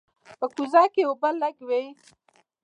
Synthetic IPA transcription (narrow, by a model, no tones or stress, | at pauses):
pəkuzɑkeobəlaɡwei